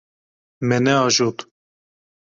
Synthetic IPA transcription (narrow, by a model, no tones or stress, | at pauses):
mɛnɛɑʒot̪